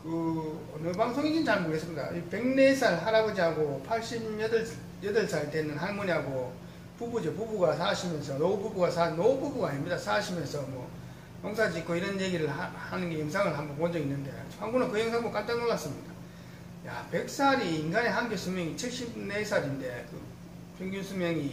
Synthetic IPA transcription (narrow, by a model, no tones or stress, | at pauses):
kɯ | nɯbaŋsʰoŋid͡ʑint͡ɕanɡuɭɦes͈ʰʌida̰pe̞ŋne̞sʰaɾɯɭɦaɾabʌd͡ʑiɦaɡopʰaɭɕ͈imjʌdɯɭ | jʌdɯɭsʰaitenɯnɦanmuniɦaɡo | pubud͡ʑepubuɡasʰaɕʰimjʌnsʰʌnoububuɡasʰanoububuɡaːɲimɲidasʰaɕʰimjʌnsʰʌmwʌ | noŋsʰad͡ʑik͈oiɾʌnje̞ɡiɾɯɭahanɯnɡe̞jʌŋsʰaŋɯɭɦambʌnpond͡ʑʌɡinːɯnde̞̰ɸwaŋɡunɯakɯjeŋs̬ʰaŋbokant͈anoɭːas͈ɯmɲida | jape̞k̚s͈ʰaɾiːnɡane̞ɦanɡesʰumjʌŋit͡ɕʰiɭɕ͈ib̚nesʰaɾinde̞kɯ | pʰeŋɡjunsʰumjʌŋi